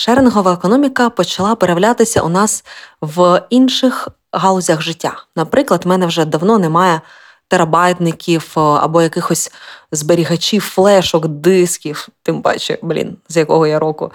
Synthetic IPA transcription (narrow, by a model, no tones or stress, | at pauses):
ʃɛɾnɦɔʋɐekɔnɔmʲikɐpɔt͡ʃɐlˠɑpeɾeɐwlʲat̪ɪsʲɐ̰ʔʊ̰nɑsʋinʃɪx | ɦɑlˠɔzʲɐxʒɪtʲːanɐpɾɪklˠɐd̪mɛnɛwʒɛd̪ɐwnɔnɛmɑjɛ | t̪eɾɐbɑjt̪nɪkʲiwɐ̰bɔjɐkɪxɔsʲzbeɾʲiɦɐt͡ʃʲiwflˠɛʃɔkd̪ɪskʲiwt̪ɪmbɑ̰t͡ʃɛ̰blʲḭnzjɐkɔɦɔjaɾɔkʊ̰